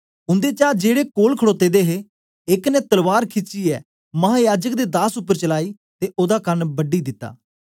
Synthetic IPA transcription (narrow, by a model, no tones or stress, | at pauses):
ʊ̃nd̪eːt͡ʃaːd͡ʒeːɽeːkoːlkʰəɽoːt̪ːeːd̪eːɦeː | ɪknɛːt̪əlʋaːɾkʰɪt͡ʃiːɛː | mɐɦaːjaːd͡ʒəkd̪eːd̪aːsʊpːəɾt͡ʃəlaːiː | t̪eːʔoːd̪akəɾnbəɖiːd̪ɪt̪ːa̰ː